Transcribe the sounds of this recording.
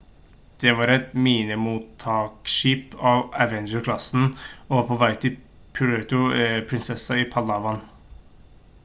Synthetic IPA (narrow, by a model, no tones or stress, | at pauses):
d̪̥ɛʋɑːɾɛt̪miːnəmuːt̪ʰːɑːkʃiːpɑːʋæʋɛnd͡ʒəɾkʰlɑsn̩ɔʋɑːpʰɔʋæɪt̪ʰɪl | pʰʉɾɛt̪ʊpʰɾɪnsɛsɑɪpʰɑlɑʋɑn